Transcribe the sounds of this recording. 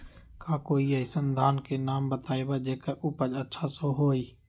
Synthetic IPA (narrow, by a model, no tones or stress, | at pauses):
kaːkoːiəisənd̪ʱaːnkeːnaːmbət̪aːeːbaːd͡ʒeːkaʔʊpəd͡ʒətːʃʰasõːɦoːiː